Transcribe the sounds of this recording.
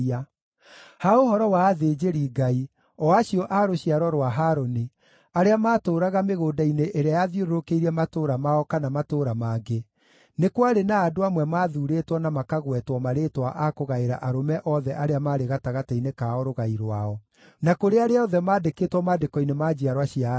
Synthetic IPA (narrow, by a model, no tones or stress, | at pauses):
a | haoɦɔɾɔwaːðed͡ʒeɾiːɡai | ɔaɕiɔʔaɾoɕiaɾɔɾwaɦaːɾoni | aɾeamaːtoːɾaɣameɣoːdaineʔeɾeajaðjoɾoɾokeiɾiɛmatoɾamaɔkanamatoːɾamaːɡe | nekwaɾenaːdoamwɛmaːðuɾetwɔnamakaɣwɛtwɔmaɾeːtwaʔakoɣaeɾa̰ʔaɾomɛʔɔðɛʔaɾeamaːɾeɣataɣatainekaɔɾoɣaiɾwaɔ | nakoɾeaɾeaɔðɛmaːdekeːtwɔmaːdekɔinemad͡ʑiaɾwaɕia